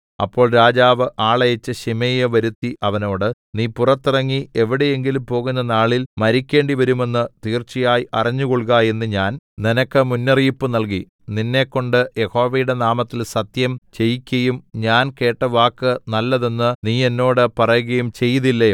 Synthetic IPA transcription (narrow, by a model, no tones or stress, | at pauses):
ɐ̰pːo̞ːɭɾaːd͡ʑaːʋɨʔaːɭɐjɐt͡ɕːɨɕimejɐʋɐɾut̪ːiʔɐʋɐno̞ːɽɨniːpurɐt̪ːirɐŋːie̞ʋiɽeje̞ŋɡilumpo̞ːɣunːɐnaːɭilmɐɾikʲːe̞ːɳɖiʋɐɾume̞nːɨt̪iːrt͡ɕːijaːjiʔɐrɐɲːuɣoɭɣaːje̞nːɨɲaːnninɐkːɨmunːɐrijipːɨnɐlk̬i | ninːe̞ːkːo̞ɳɖɨje̞ho̞ːʋɐjuɽe̞naːmɐt̪ːilsɐt̪jɐmt͡ɕe̞jkʲːɐjumɲaːnke̞ːʈːɐʋaːkːɨnɐlːɐðenːɨniːe̞nːo̞ːɽɨpɐrɐjuɣɐjumt͡ɕe̞jːɐðilːɐ